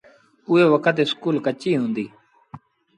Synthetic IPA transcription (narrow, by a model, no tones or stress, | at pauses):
ʊeːʋəkʰət̪ɪskuːlkət͡ʃiːɦũːnd̪iː